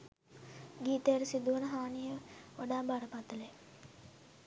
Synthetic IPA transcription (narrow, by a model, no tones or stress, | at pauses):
ɡiːt̪ejəɾəsid̪uʋənəɦaːnijəoɖaːbaɾəpat̪əle